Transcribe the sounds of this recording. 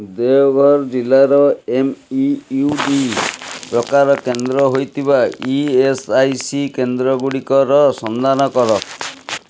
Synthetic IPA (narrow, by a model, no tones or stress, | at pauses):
d̪eɔɡʱɔɾd͡ʒilaɾɔemiuɖipɾɔkaɾɔkend̪ɾɔɦojt̪ʰiβaiesajsikend̪ɾɔɡuɽikɔɾɔsɔnd̪ʱanɔkɔɾɔ